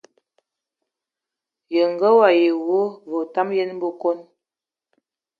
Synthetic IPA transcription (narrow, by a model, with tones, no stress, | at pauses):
jə˨ŋ˨ɡə˦wa˨je˨wo˦vo˨ta˦mje˦nm˦bo˦ko˦n